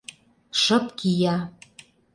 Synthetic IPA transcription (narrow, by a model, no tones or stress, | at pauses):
ʃɤ̆pkʰijɑ